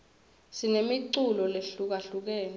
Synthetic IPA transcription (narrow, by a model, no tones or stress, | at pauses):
sinemiǀulɔleɬuk̬aɬuk̬ɛːn